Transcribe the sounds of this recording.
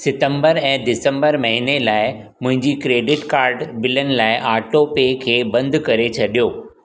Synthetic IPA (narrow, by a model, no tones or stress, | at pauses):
sɪʈə̃mbəɾɛ̃ːɖɪsə̃mbəɾmɐɦinelaːɪ | mʊ̃ɦɪ̃ɲd͡ʑikɾeːɖɪʈkaːɾɖbɪlənɪ̆laːɪʔaːʈopeːkʰeːbɐ̃nd̪kɐɾet͡ɕʰɐɗijoː